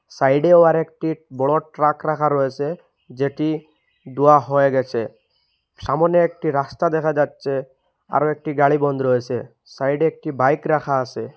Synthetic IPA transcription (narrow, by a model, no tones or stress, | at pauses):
sajɖeɔaɾekʈibɔɭɔʈɾakɾakʰaɾɔesʰe | d͡ʒeʈi | d̪uaɦɔjeɡɛt͡ʃʰe | ʃamɔneekʈiɾast̪ad̪ɛkʰad͡ʒatːsʰe | a̰ɾɔek̚ʈiɡaɭibɔnd̪ɾɔesʰe | sajɖeek̚ʈibajkɾakʰaːse